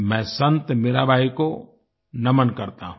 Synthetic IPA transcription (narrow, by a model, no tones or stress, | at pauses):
mɛ̃ːsɐ̃nt̪meːɾabʱaːiko | nɐmənkɐɾt̪aɦũ